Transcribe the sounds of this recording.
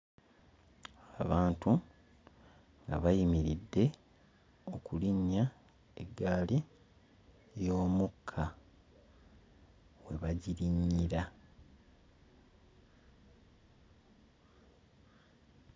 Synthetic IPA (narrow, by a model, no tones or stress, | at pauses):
aβaːntu | ŋɡa̰βajimiɾidːe̞ | o̞kuliɲːa | eɡːaːli | jo̞ːmukʰːa | we̞βaɟiɾiɲːiɾa